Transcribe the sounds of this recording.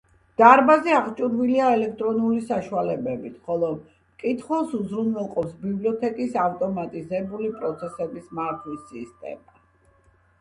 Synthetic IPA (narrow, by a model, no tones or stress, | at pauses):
d̪̥aɾbazɛaʁt͡ʃʼuɾviliaɛlɛk̚ʰt̪ʼɾɔnulisaʃualɛbɛbit̪ʰχɔlˠɔ | mkʼit̪ʰχwɛlˠsuzɾunɛlˠqʼɔpsbibliɔt̪ʰɛkʼisaft̪ʼɔmat̪ʼizɛbulipʼɾɔt̪sʰɛsɛbismaɾt̪ʰwisist̪ʼɛ̰ma